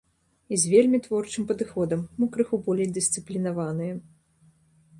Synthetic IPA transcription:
izʲvʲelʲmʲit̪vɔrt͡ʂɨmpɐd̪ɨxɔd̪ɐmːukɾɨxubɔlʲejd̪ɨst̪sɨplʲinavanɨjɛ

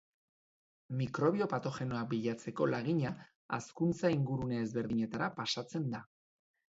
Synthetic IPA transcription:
mikɾo̞β̞io̞pat̪o̞xe̞no̞abiʎat͡se̞ko̞laɣiɲa | askunt͡saiŋɡuɾuneːzβe̞ɾðiɲe̞t̪aɾapasat͡se̞nd̪a

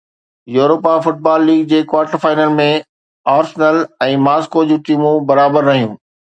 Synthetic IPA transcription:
juːɾoːpafʊʈ̚baːlːiːɡ̚d͡ʑeːkwaːɾʈəɾfaːɪnəlmẽ | aːɾsnəlɛ̃ːmaːskod͡ʑũːʈiːmũbɐɾaːbəɾːɐɦijũː

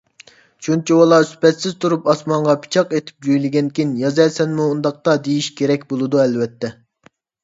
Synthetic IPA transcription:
t͡ʃʰunt͡ʃʰiwɑlˠɑsy̥pɛt̪sɪz̥t̪ʰuɾupɑsmɑɴʁɑpʰi̥t͡ʃʰɑqet̪ʰɪ̥p̚d͡ʒujlɪɡʲɛnkʲʰinjɑzɛsɛnmuːnd̪ɑq̚t̪ɑd̪ejiʃkʲʰeɾɛkʲbolˠɨd̪uɛlvɛt̪ʰːɛ

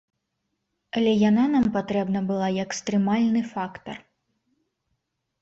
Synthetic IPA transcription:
ɐlʲɛjananampat̪ɾɛbnɐbɨlˠajɐkst̪ɾɨmalʲnɨfakt̪ɐr

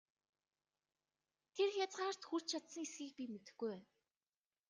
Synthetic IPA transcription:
t̪ʰerxʲjat͡sʁaːr̥t̪xur̥t͡ɕt͡ɕʰat̪sə̆ŋesɡiːk̚pʲimet̪ɘ̆xɡujæːn

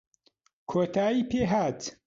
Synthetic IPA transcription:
kʰoːt̪ʰaːiːpʰeːɦaːt̪

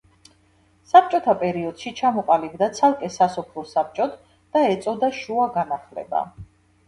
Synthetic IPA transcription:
sap̚t͡ʃʼɔt̪ʰapʼɛɾiɔd̪̥ʃit͡ʃʰamɔqʼalibd̪at̪sʰalˠkʼɛsasɔpʰɾɔsap̚t͡ʃʼɔt̪ʰ | d̪̥aɛt̪sʼɔd̪aʃuaɡanaχlɛ̰ba̰

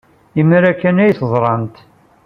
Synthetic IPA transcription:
imɾækːænæjθzˤɾˤɑnt̪

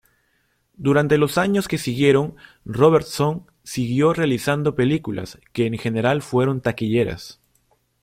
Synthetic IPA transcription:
d̪uɾant̪e̞lo̞saɲo̞ske̞siɣje̞ɾo̞ŋ | ro̞βeɾt̪son | siɣjo̞realisand̪o̞pe̞likulʔa̰ske̞ːŋxe̞ne̞ɾalfwe̞ɾo̞nt̪akiʎe̞ɾa̰s

